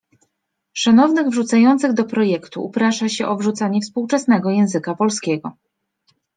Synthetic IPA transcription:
ʂanɔvnɘɣvʐut̪sajɔnt̪sɘɣd̪ɔpɾɔjɛkt̪ṵːpɾaʂaɕɛʔɔvʐut̪saɲɛfspuwt͡ʂɛsnɛɡɔjɛ̃w̃zɘkapɔlskʲɛɡɔ

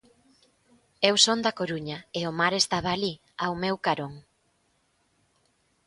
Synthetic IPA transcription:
ewsond̪ɐkoɾuɲɐeomaɾest̪aβ̞aːli | awmewkaɾoŋ

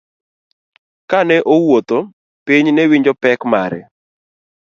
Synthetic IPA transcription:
kanɛʔowot̪o | piɲnɛwiɲd͡ʒɔpɛkmaɾɛ̰

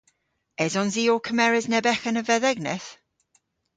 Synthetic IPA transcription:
ɛzɔnziːokʰəmɛɹɛznɛbɛxənəvɛðɛɡnɛθ

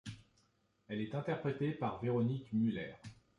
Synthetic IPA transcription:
ɛlɛt̪ɛ̃t̪ɛʁpχet̪epaʁveʁɔnikmylɛːʁ

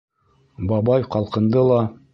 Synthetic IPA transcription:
bɑbɑjqɑlˠqɤ̆nd̪ɤlˠɑ

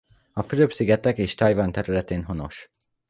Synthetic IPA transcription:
ɒfyɾøpsiɡɛt̪ɛkeːʃt̪ɒjvɒnt̪ɛɾylɛt̪eːnɦo̞no̞̰ʃ

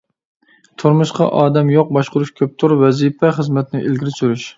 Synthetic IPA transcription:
t̪ʰʊɾmʊʃqɑ̰ʔɑːd̪ɛmjoq̚bɑʃqʊɾuʃkʲʰøp̚t̪ʰʊɾvɛzipʰɛχəzmɛt̪nɪʔelɡʲiɾɪsyɾyʃ

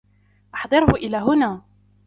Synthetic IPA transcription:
ʔɑħd̪ˤɨɾhʊʔɪlaːɦʊnaː

